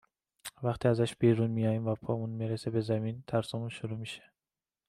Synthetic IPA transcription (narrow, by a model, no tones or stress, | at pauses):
væxt̪ʰiːæzæʃbiːɾunmijɒːjiːmvæpʰɒːmunmiɾesebezæmint̪ʰæɾsɒmunʃoɾuːmiʃe̥